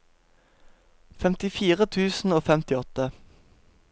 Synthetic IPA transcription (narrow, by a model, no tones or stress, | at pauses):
fɛmt̪ɪfiːʁət̪ʰʉːsn̩oːfɛmt̪ɪɔt̪ə